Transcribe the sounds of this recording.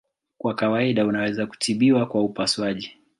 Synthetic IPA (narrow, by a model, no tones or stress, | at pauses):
kwakawaiɗaunawɛzaku̥tʰiɓiwakwaupaswaʄi